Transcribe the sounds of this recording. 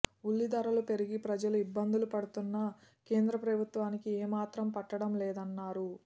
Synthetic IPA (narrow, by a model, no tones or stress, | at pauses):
ulːid̪ɐɾɐlupe̞ɾiɡipɾɐd͡ʒɐluibːɐnd̪ulupɐɽut̪unːɐ | ke̞ːnd̪ɾɐpɾɐbʱut̪ʋaːnikiɛːmaːt̪ɾɐmpɐʈːɐɽɐmlɛːd̪ɐnːaːɾu